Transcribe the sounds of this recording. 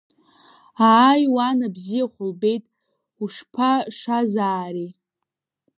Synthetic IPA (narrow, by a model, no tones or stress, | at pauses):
aːjwanabzijaχʷʊlbe̞jtʼ | uʂpʰaʂazaːɾi